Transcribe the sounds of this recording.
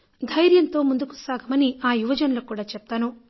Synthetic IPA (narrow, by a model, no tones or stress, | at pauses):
d̪ʱɐjɾjɐnt̪o̞ːmund̪uku̥saːɡʱɐmɐniaːjuʋɐd͡ʒɐnɐlokuːɽaːt͡ʃɛp̚t̪aːnu